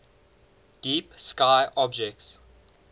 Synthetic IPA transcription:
d̥iːpskaɪʔɔbd͡ʒɛk̚ts

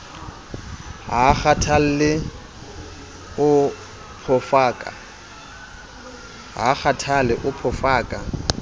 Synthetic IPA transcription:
ɦak͡xatʰal̩lɪ | ʊ | pʰɔfaːkʼa̰ | ɦa̰k͡xʰatʰalɪʔʊpʰɔfaːkʼa

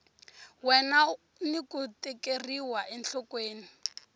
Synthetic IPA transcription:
wɛna | nikutɛkeriwaʔɛnɬɔkweːni

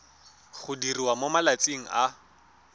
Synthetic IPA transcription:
χʊdiriwamomalat͡siŋ̩ʔa

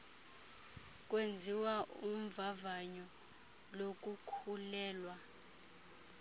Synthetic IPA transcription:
k̬ʼwend͡zʱiwaʔum̩vavaɲɔ | lok̬ʼukʰulɛːlwa

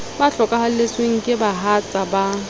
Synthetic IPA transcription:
baɬɔkʼahalesweŋ̩kʼɪbaɦat͡sʼaba

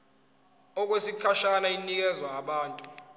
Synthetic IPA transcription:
ɔk̬wesikʰaʃanainik̬ɛzwaːɓaːntʼu

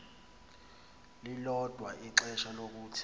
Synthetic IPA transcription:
lilɔd̥ʱwaʔiǁɛʃalok̬uːtʰ

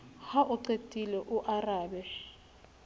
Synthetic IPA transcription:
haʔʊǀetʼilɛʔʊʔaraːbɛ

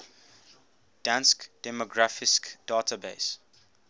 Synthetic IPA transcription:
d̥ãnskd̥ɛmɔɡɹafɪskd̥aːtʰabḛs

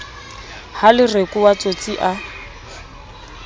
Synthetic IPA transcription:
halɪrekʼuwat͡sʼot͡sʼiʔa

